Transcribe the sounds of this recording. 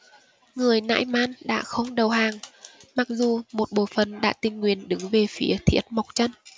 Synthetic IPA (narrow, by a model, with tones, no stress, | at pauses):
ŋɨ˨˩əjna̰ː˧˥jmaː˧nɗa̰ː˧˥xə˧wŋ͡mɗə˨˩wɦaː˨˩ŋma˨˩k̚zu˨˩mo˨˩t̚ɓo̰˧˨fə˨˩nɗa̰ː˧˥t̪ï˨˩ŋ̟ŋwi˨˩ənɗɨ˨˦ŋve˨˩fi˨˦ət̪ʰḭ˧˥ət̚ma˨˩wk͡p̚t͡ɕə˧n